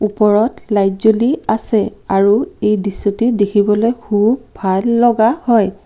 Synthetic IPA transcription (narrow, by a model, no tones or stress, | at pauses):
upɔɹɔtlajzoliasɛaɹuejdisːotidekʰibɔlojhʰubbʱalːɔɡahɔj